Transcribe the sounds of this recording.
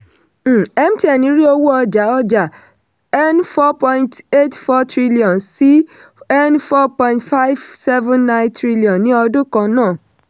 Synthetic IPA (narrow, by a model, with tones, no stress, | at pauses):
ɛ˦m̩˦ti˦ɛ˨nĩ˨˦ɾi˦o˧wu˦ɔ˧d͡ʒa˨˦ɔ˧d͡ʒa˨ | ɛ˦nfɔ˦pɔ̃˧ĩ˦nte˦tfɔ˦tɾi˦li˦ɔ̃˨nsi˦ | ɛ˦nfɔ˦pɔ̃˧ĩntfa˦jvsɛ˦vũ˦nːã˦j̃ntɾi˦li˨ɔ̃˨nːĩ˨˦ɔ˧dũ˦kã˧nãː˦˨